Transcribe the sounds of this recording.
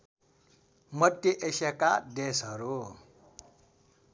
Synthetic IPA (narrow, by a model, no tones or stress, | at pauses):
mʌd̪jeʔesekad̪esɦʌɾu